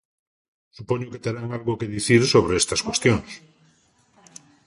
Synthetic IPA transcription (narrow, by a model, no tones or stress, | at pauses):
supoɲoket̪eɾaŋalɣokeðiθiɾsoβ̞ɾeest̪askwest̪joŋs